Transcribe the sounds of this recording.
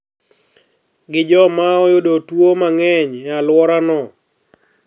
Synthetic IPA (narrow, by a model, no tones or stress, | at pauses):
ɡɪd͡ʒɔmaɔjodotwomaŋɛɲalwɔɾanɔ